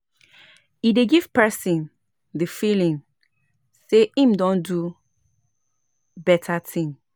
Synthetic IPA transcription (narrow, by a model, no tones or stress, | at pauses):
ideɡiv̥pɛsĩn | dəfilĩŋ | seĩmdɔ̃ndu | bɛtʰatʰĩŋ